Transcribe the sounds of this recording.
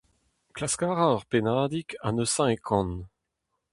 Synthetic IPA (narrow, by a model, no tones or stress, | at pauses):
klaskaːʁaʁpenaːd̪ikanəsɛ̃ekʰɔ̃n